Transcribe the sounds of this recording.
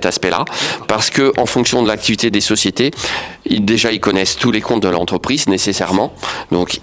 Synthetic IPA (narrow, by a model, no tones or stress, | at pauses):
ɛt̪aspɛla̰paʁsə̥kəʔɑ̃fɔ̃ksjɔ̃d̪əlak̚t̪ivit̪ed̪esɔsjet̪eild̪eʒailkɔnɛst̪ulekɔ̃t̪̚d̪əlɑ̃t̪χəpχiznesesɛʁmɑ̃d̪ɔ̃k